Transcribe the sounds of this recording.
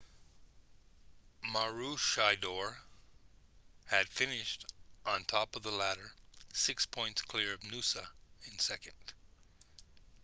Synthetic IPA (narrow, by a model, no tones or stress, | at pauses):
mɑɹuʃaɪdɔɹ | ɨd̥fɪ̃nɪʃtʔn̩tʰɔpʌvðəlæɾə˞sɪkspʰɔ̃ɪ̃ntskʰl̥ɪɹʌvnʉsəɨ̃nsɛkɨ̃nd̥